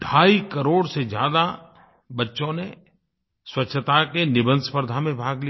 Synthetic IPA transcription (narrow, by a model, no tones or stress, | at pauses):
ɖʱaːikəɾoːɽsed͡ʒjaːd̪a | bɐtːʃõne | swɐtːʃʰət̪akenɪbə̃nd̪spəɾd̪ʱamẽbʱaːɡli